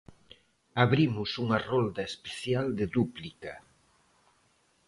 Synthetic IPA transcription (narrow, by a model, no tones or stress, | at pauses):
aβɾimʊsuŋɐrold̪ɐespe̥θjald̪eðuplika